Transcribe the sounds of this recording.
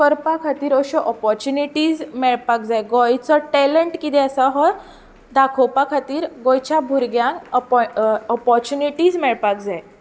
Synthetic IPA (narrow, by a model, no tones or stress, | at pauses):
kəɾpakʰat̪iːɾəɕɔʔɔpɔɾt͡ɕuniʈiːd͡zmɛɭpak̚d͡zajɡɔjt͡sɔʈɛləɳʈkid̪ɛəsaɦɔ | d̪akʰɔwpakʰat̪iːɾɡɔjt͡ɕabʱuɾɡjãŋkpɔpɔɾt͡ɕuniʈiːd͡zmɛɭpakd͡zaj